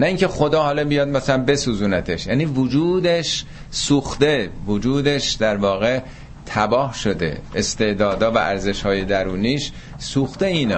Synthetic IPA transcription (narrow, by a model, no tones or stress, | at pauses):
næiːŋcʰexo̞d̪ɒːɦɒːlɒbijɒːd̪̚mæsælænbe̞suːzuːnæt̪ʰeʃjæːniːvod͡ʒuːd̪eʃ | suːxt̪e̞vod͡ʒuːd̪e̞ʃd̪æɾvɒːɣe̞ | t̪ʰæbɒːhʃo̞d̪e̞̰est̪e̞ʔd̪ɒːd̪ɒːvæ̰ʔæɾze̞ʃhɒːje̞d̪æɾuːniːʃ | suːxt̪e̞iːnɛ